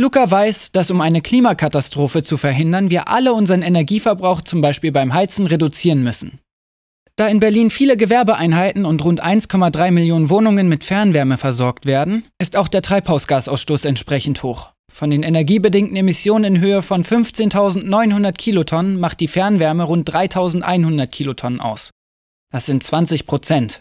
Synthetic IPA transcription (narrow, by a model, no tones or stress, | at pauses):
lukavaɪsd̥asʊmʔaɪnəkʰl̥iːmakʰatastʁ̥oːfət͡sufɛɐɦɪndɐnviːɐʔa̰ləʊnzəʁənenɛɐɡiːfɛɐbʁaʊxt͡sʊmbaɪʃpiːlbaɪmɦaɪt͡sn̩ʁedut͡siːʁənmʏsn̩ | d̥aːɪnbɛɐliːnfiːləɡəvɛɐbəʔaɪnɦaɪtn̩ʊntʁʊntʔa̰ɪnskʰɔmadʁaɪmɪljoːnənvoːnʊŋənmɪtfɛɐnvɛɐməfɛɐzɔɐk̚tv̥eːɐdn̩ʔɪstaʊxd̥eːɐtʁ̥aɪphaʊsɡ̥aːsʔaʊsʃtoːsɛntʃpʁ̥ɛçn̩thoːχ | fɔndeːnenɛɐɡiːbədɪŋtn̩emɪsjoːnənɪnɦøːəfɔnfʏnft͡seːntʰaʊzn̩tnɔʏnhʊndɐtkʰiːlotʰɔnənmaχt̚d̥iːfɛɐnvɛɐməʁʊnt̚d̥ʁaɪtʰaʊzn̩tʔa̰ɪnhʊndɐt̚kʰiːlotʰɔnənʔa̰ʊs | d̥asz̥ɪntt͡sv̥ant͡sɪçpʁ̥ot͡sɛnt